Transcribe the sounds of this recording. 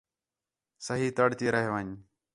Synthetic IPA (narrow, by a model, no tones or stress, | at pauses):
səɦiːt̪əɽt̪iːɾaɦʋaɲ